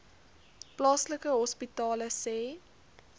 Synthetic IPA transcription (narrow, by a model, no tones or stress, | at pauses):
plɑːsləkəɦɔspitɑːləsɛː